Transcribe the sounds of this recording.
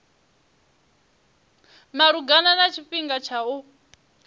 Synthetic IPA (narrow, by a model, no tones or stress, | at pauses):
maɺuɡananat͡ʃʰiɸiŋɡat͡ʃʰau